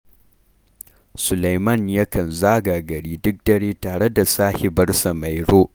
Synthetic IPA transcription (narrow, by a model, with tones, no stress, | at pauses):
sʊ˨la˨jmɐ˦˨nja˦kɐ˨nzaː˦ɡaː˨ɡɐ˨ɽiː˦dʊ˦k̚dɐ˨ɽeː˦taː˨ɽe˦da˨saː˦he˨bɐ˦rsa˨ma˨jɾoː˦